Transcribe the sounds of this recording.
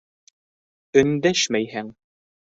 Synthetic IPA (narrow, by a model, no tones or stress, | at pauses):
ɵ̆nd̪æʃmæjhæŋ